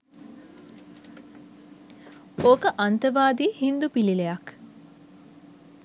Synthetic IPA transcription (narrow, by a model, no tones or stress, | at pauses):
okəʔant̪əʋaːd̪ihind̪upililejak